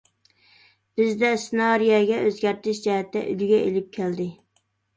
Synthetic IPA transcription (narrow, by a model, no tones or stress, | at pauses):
b̥ɪzd̪ɛsɪnɑɾijɑɡʲɛʔøzɡʲæɾt̪ɪʃd͡ʒɛɦɛt̪ʰːɛ̰ʔylɡʲɛelɪp̚kʲʰæld̪ɪ